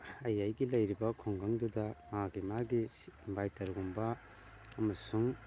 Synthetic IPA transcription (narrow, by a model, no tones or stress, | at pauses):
ɐjajɡilɐjɾibɐkʰoŋɡaŋdudɐmaɡimaɡibajtɐɾɡumbɐ | ɐmɐsuŋ